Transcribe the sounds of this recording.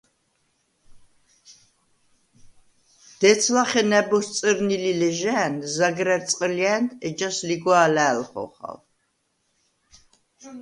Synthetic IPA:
d̪̥ɛt̪t͡sʰlaχɛnɛbɔst͡sʼəɾnililɛʒæːnzaɡɾæt͡sʼqʼəliɛːnt̪ʰɛd͡ʒasliɡwaːlæːlχɔ̰χa̰l

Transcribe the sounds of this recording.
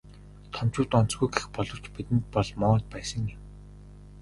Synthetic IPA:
t̪ʰɔm̥t͡ɕʊːt̪ɔn̥t͡sɡujɡexpɔɮɞ̆wt͡ɕpit̪ɘ̆nt̪̚pɔɮmɔːt̪̚pæːsə̆ŋim

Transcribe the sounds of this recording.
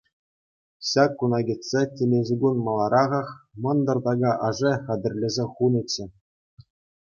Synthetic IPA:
ɕɑkːunɑɡʲit̪ʲsʲetʲemʲeʑuɡunmɑlˠɑɾɑʁɑχmɤ̆nd̪ɤ̆rd̪ɑɡɑʔɑʐɘχɑd̪ʲɘ̆rʲlʲɘ̆zʲeχunɤ̆t͡ɕːɘ̆

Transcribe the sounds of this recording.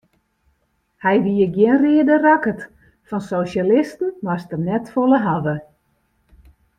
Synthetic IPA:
hɛjʋiəɡjɪnrɪədərakət | fɔnsoːʃalɪstn̩mastənɛtfoləɦavə

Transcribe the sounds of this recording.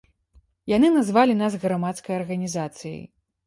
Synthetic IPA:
janɨnazvalʲinazɣɾamat̪skɐjɐrɣɐnʲizat̪sɨjɐ̰j

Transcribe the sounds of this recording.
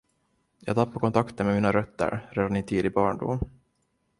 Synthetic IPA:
jɑːɡt̪ʰapːakɔnt̪ʰakt̪ənmɛmiːnaɾœt̪ːə̰ɾɾɛːd̪ɳiːt̪ʰiːd̪ɪbɑːɳɖṵm

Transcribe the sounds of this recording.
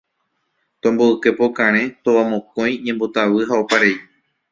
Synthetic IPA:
t̪õmboɨke̞po̞kãɾ̃ẽ̞t̪oʋamõkõ̞j̃ɲẽ̞mbot̪aʋɨɦaopaɾei

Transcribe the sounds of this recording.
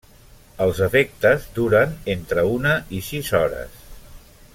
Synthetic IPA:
əlˠzəfek̚t̪əzd̪uɾənent̪ɾəunəʔisizɔɾə̰s

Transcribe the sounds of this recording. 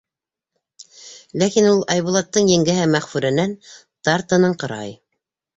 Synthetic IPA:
lækinulˠɑjβulˠɑt̪ːɤɴjɘ̆ŋɡɘ̆ɦɘmːæχfʉɾæ̆næn | t̪ɑɾt̪ɤ̆nɤɴqɤ̆ɾɑ̰j

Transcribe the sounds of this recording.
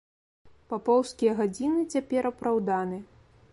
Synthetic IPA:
papɔwskʲijɐɣad͡zʲinɨt͡sʲapʲɛɾɐpɾawd̪anɨ

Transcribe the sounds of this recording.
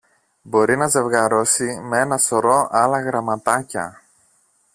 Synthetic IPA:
bo̞ɾinɐze̞vɣɐɾo̞simee̞nɐsoɾo̞ʔɐlɐɣɾɐmɐt̪ɐcɐ̰

